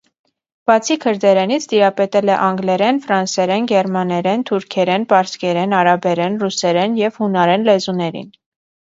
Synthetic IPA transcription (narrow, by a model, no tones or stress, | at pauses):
b̥ɑt͡sʰikʰəɾd̪ɛɾɛnit͡sʰt̪iɾɑpɛt̪ɛlɛʔɑŋɡlɛɾɛnfɾɑnsɛɾɛnɡɛɾmɑnɛɾɛnt̪ʰuɾkʰɛɾɛnpɑɾskɛɾɛnɑɾɑbɛɾɛnrusɛɾɛnjɛvhunɑɾɛnlɛzunɛɾḭn